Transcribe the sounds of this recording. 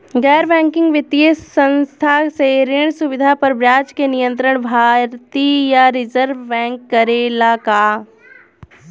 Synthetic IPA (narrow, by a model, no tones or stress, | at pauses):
ɡɛːɾbɛ̃ːŋkɪ̃ŋɡʋɪt̪jesə̃nst̪ʰaseɾɪɳ̃sʊʋɪd̪ʱapɐɾbɾjaːt͡ʃkenijə̃nt̪ɾəɳ̃bʱaːɾt̪ijaɾɪzəɾʋːɛ̃ːŋkːəɾelaːka